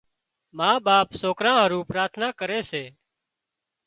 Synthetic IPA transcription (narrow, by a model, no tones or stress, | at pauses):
maːɓaːpsoːkɾãːɦəɾũːpɾaːt̪ʰnaːkəɾeːseː